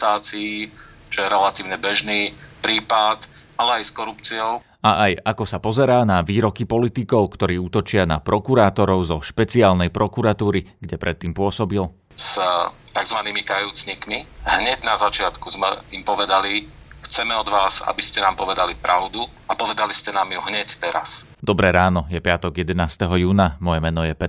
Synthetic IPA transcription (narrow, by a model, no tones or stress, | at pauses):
t̪aːt͡sijit͡ʃɛjɛɾɛlat̪iːʊɲɛbɛʒniːpɾiːpat̪ | alɛajskɔɾupt͡siɔʊ | aʔajakɔsapɔzɛɾaːnaʋiːɾɔkipɔlit̪ikɔʊkt̪ɔɾiːut̪ɔt͡ʃɪana̰pɾɔkuɾaːt̪ɔɾɔʊzɔʃpɛt͡siaːlnɛjpɾʔɔkuɾat̪uːɾiɡɟɛpɾʔɛt̪ːiːmpʊɔsɔbil | st̪aɡzʋaniːmikajuːt͡sɲikmiɦɲɛɟnazat͡ʃɪat̪kuzmɛ̰impɔʋɛd̪alixt͡sɛmɛɔd̪ʋaːza̰biscɛnaːmpɔʋɛd̪alipɾʔaʊd̪u | apɔʋɛd̪aliscɛnaːmjuɦɲɛct̪ɛɾa̰s | d̪ɔbɾɛɾaːnɔjɛpɪat̪ɔɡjɛd̪ɛnaːst̪ɛɦɔjuːnamɔjɛmɛnɔjɛpɛ